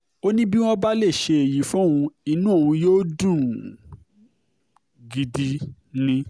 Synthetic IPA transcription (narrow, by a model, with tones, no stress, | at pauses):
o˦nĩ˦bi˦w̃ɔ̃˦ba˦le˦˨ʃe˧e˨ji˨˦fũ˦ũ˧i˧˦nũ˦o˦˨ũ˧joː˦dũ˦˨ | ɡi˨di˧ | nĩ˧˦